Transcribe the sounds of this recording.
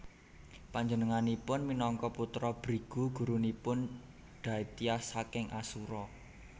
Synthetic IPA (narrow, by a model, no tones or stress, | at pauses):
paɲd͡ʒənəŋanipʊnminɔŋkɔput̪ɾɔb̥ɾiɡ̥ṳɡ̥ṳɾunipʊn | ɖ̥ä̤it̪iasakɪŋʔasuɾɔ